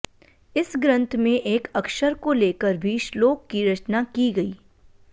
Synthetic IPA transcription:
ɪsɡɾə̃nt̪ʰmẽʔeːkɐkʃəɾkoleːkəɾbʱiʃloːkːiɾɐt͡ʃnakiɡɐiː

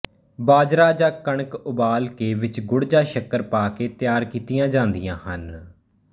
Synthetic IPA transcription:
baːd͡ʒɾaːd͡ʒaːkəɳ̃kʊbaːlkeːʋɪt͡ʃɡʊɽd͡ʒaːʃəkəɾpaːkeːt̪ɪjaːɾkiːt̪ijãːd͡ʒãːnd̪ijãːhən

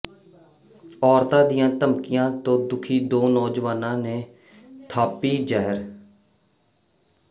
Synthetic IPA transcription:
ɔːɾt̪ãːd̪ijãːt̪əmkɪjãːt̪õːd̪ʊkʰiːd̪oːnɔːd͡ʒʋaːnãːnẽː | t̪ʰaːpiːd͡ʒɛɦəɾ

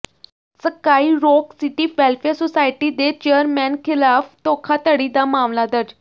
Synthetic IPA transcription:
səkaːiːɾoːksiʈiːʋɛlfeɾsosaːjʈid̪et͡ʃejəɾmɛ̃nkʰɪlaːft̪oːkʰat̪əɽid̪amaːmlad̪əd͡ʒ

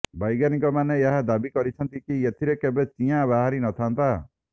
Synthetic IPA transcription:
bajɡaniŋkɔmanejeɦad̪abikɔɾit͡ʃʰɔnt̪ikiet̪ʰiɾekebet͡ʃĩabaɦaɾinɔt̪ʰant̪a

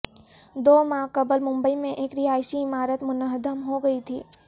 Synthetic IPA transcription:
d̪oːmãːkɐbəlmʊ̃mbəimẽʔeːkɾɪaːɪʃiɪmaːɾət̪mʊnəɦd̪əmɦoɡɐit̪ʰḭː

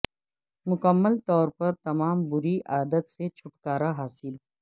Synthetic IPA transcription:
mʊkəmːəlt̪ɔːɾpɐɾt̪ɐmaːmbʊɾiʔaːd̪ət̪set͡ʃʰʊʈkaːɾaɦaːsɪl

